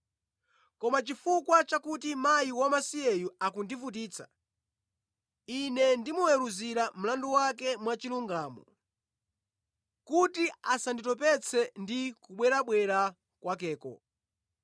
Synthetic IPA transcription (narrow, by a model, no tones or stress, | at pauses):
kɔmat͡ʃifukwat͡ʃakutimajiwamasiɛjuakundivut̬iːt͡sʰḁ̰ | inɛndimɔjɛɾuziɾam̩landuwak̬ɛmwat͡ʃiluŋɡaːmɔ̰ | kutiasanditɔp̬ɛt͡sʰɛndikuɓwɛɾaɓwɛɾa | kwakɛːkɔ̰